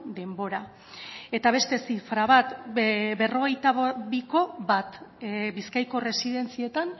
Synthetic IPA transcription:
d̪e̞mbo̞ɾa | e̞t̪aβ̞e̞st̪e̞sifɾaβat̪be̞ro̞ɣ̞e̞jt̪aββiko̞βat̪biskajko̞re̞siðe̞nt͡sie̞t̪an

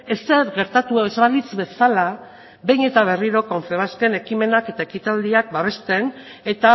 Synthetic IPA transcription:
eseɾɣe̞ɾt̪at̪uoezβalit͡sβe̞sala | βe̞jɲe̞t̪aβ̞e̞riɾo̞ko̞nt͡seβaske̞ne̞kime̞nake̞t̪aekit̪ald̪iak̚baβ̞e̞st̪e̞n | e̞t̪a

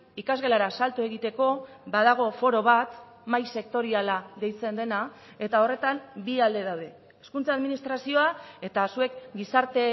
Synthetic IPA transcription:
ikazɣe̞laɾasalt̪ue̞ɣit̪e̞ko̞βaðaɣ̞o̞fo̞ɾo̞β̞at̪ | majse̞kt̪o̞ɾialaðe̞jt͡se̞nd̪e̞na | e̞t̪ao̞re̞t̪ambiald̪e̞ð̞awðe̞ | eskunt͡saðminist̪ɾasio̞ae̞t̪asue̞kɡisaɾt̪e̞

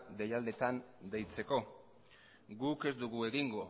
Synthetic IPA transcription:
d̪e̞jald̪e̞t̪and̪e̞jt͡se̞ko̞ | ɡuke̞zd̪uɣue̞ɣiŋɡo̞

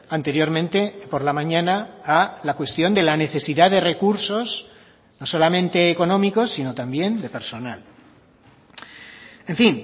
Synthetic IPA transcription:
ant̪e̞ɾjo̞ɾmẽnt̪e̞po̞ɾlamãɲãnaːlakwe̞st̪jo̞nd̪e̞lane̞θe̞siðaðe̞re̞kuɾso̞z | no̞so̞lamẽ̞nt̪e̞ːko̞nõ̞miko̞sːino̞t̪ambje̞nd̪e̞pe̞ɾso̞nal | e̞ɱfin

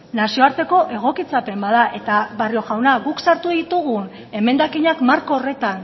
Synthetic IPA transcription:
nasio̞aɾt̪e̞ko̞ʔe̞ɣ̞o̞kit͡sape̞mbaðaʔe̞t̪aβario̞ɣawnaɣuksaɾt̪uðit̪uɣun | e̞me̞nd̪akiɲakmaɾko̞ːre̞t̪an

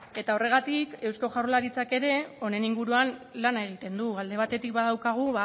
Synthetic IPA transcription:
e̞t̪ao̞re̞ɣ̞at̪ike̞wsko̞ʝarlaɾit͡sake̞ɾe̞o̞ne̞niŋɡuɾuanlanae̞ɣ̞it̪e̞nd̪uald̪e̞β̞at̪e̞t̪ik̚baðawkaɣ̞uβa

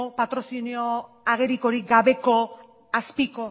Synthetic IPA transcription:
pat̪ɾo̞sinio | aɣ̞e̞ɾiko̞ɾiɡaβe̞ko̞ | aspiko

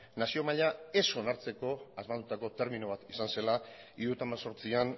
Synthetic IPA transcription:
nasio̞maʎae̞so̞naɾt͡se̞ko̞azmald̪ut̪ako̞t̪e̞ɾminuβ̞at̪isanse̞la | iɾuet̪amaso̞ɾt͡sian

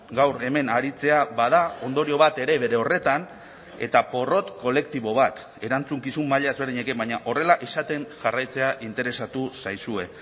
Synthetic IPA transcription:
ɡawɾe̞me̞naɾit͡se̞aβaðao̞nd̪o̞ɾio̞β̞at̪e̞ɾe̞βe̞ɾe̞o̞re̞t̪an | e̞̰t̪apo̞ro̞t̪ko̞le̞k̚t̪iβo̞β̞at̪ | e̞ɾant͡suŋkisumːaʎaezβɾðiɲe̞ke̞baɲaʔo̞re̞laʔisat̪e̞nʝarajt͡se̞aʔint̪e̞ɾe̞sat̪usajsue̞

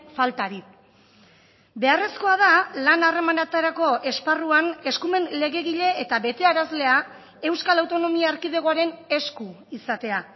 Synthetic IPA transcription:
falt̪aɾi | be̞are̞sko̞aðalanare̞manat̪aɾako̞ʔe̞sparuane̞skume̞nle̞ɣe̞ɣiʎe̞ːt̪aβe̞t̪e̞aɾazle̞a | e̞wskalawt̪o̞no̞miaːɾkiðeɣoaɾe̞ne̞sku | isat̪e̞a

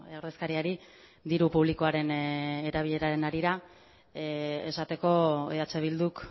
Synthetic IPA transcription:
awɾðeskaɾiaɾi | d̪iɾupuβ̞liko̞aɾe̞ne̞ɾaβ̞iʎe̞ɾaɾe̞naɾiɾa | e̞sat̪e̞ko̞ḛat͡se̞β̞ild̪uk

